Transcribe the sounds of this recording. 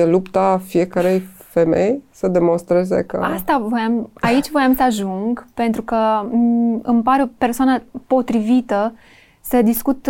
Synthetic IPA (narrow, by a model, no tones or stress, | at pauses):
elupt̪afije̞kəɾe̞jfe̞me̞̰jsəd̪e̞mo̞nst̪ɾe̞ze̞̰kə̰ast̪avo̞jamait͡ʃʲvo̞jamsəaʒuŋɡpe̞nt̪ɾukə | ɨmpaɾeope̞rsoanapo̞t̪ɾivit̪ə | səd̪iskut̪